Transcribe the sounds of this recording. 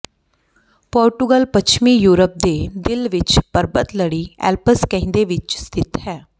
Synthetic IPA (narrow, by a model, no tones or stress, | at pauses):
pɔːɾʈʊɡəlpət͡ʃʰmiːjuːɾəp̚d̪eːd̪ɪlʋɪt͡ʃpəɾbət̪ləɽiːɛ̰ːlpəskɛ̃ɦɪ̃nd̪eːʋɪt͡ʃst̪ʰɪt̪hɛː